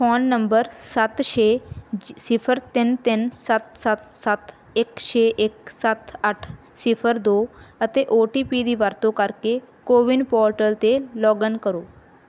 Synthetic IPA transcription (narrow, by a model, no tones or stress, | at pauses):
fɔnːəmbəɾsat̪ɕe | sifʰəɾt̪ent̪ensat̪sat̪sat̪ | ekɕeʔek̚sat̪aʈʰ | sifʰəɾd̪oət̪eʔoʈipid̪iːʋaɾt̪okaɾkekoʋiɳɖpɔɾʈəlt̪elɔɡənkəɾo